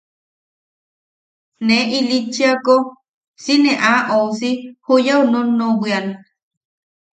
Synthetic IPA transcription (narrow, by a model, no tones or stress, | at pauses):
neʔilit͡ʃiako | sineʔaʔosihujaunonːowian